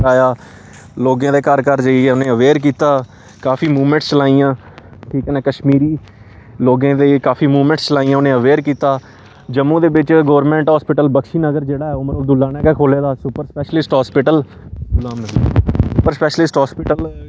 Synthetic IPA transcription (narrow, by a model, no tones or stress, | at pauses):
aːjaː | loːɡãːd̪eːkəɾkəɾd͡ʒəiɛːʊnẽːəʋeːɾk̬iːt̪aː | kaːfʰiːmuːʋmə̃ɳʈst͡ʃəlaːijãː | ʈʰiːkɛːnɛːkəʃmiːɾiː | loːɡãːd̪eːkaːfʰiːmuːʋmə̃ɳʈst͡ʃəlaːijãːʊnẽːəʋeːɾkiːt̪aː | d͡ʒəmːũːd̪eːbɪt͡ʃɡoːɾmɛ̃ːɳʈɦɔːspɪʈəlbəkʃiːnəɡəɾd͡ʒeːɽaːɛːoːməɾoːd̪uːlːaːnɛːɡɛːkʰoːleːd̪aːsʊpəɾspɛːʃəlɪsʈɦɔːspɪʈəl | d̪lːaːmsʊpəɾspɛːʃəlɪsʈɦɔːspɪʈəl